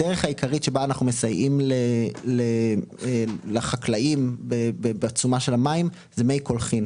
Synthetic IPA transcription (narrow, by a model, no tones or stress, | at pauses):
deʁeχhaikaʁitʃebaːnaχnumesajimleleelaχaklaʔimbebebeat͡sumaʃe̞lamaim | zemejko̞lχin